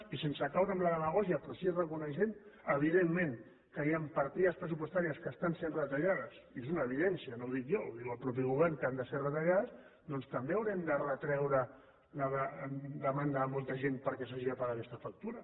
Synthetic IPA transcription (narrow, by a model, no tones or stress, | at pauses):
isensəkawɾəmləðələɣ̞ɔsjapɾosiezrəkunəʃenəβ̞iðemːẽŋ | kəjampɐɾt̪iðəspɾəsupwoəst̪aɾiəskəst̪ansenrət̪aʎaðəsiezunəːβ̞iðɛnsiənowðikjo̰ðiəlˠpɾɔp̬iɣ̞uβɛrŋkand̪əserət̪əʎaðəs | d̪ɔnst̪əmbeɐwɾɛmd̪ərət̪ɾɛwɾə | ləðəd̪əmand̪aːmɔlˠt̪əʒenpəɾkɛs̬aʒiəpaaakɛst̪əfak̚t̪uɾə